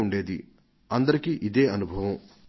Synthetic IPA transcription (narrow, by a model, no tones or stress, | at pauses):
uɳɖe̞ːd̪i | ɐnd̪ɐɾikiʔid̪e̞ːɐnubʱɐʋɐm